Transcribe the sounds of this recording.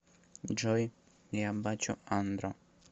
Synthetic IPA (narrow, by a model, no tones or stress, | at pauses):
d͡ʒɔj | liabːat͡ʃʊ̰and̪ɾɔ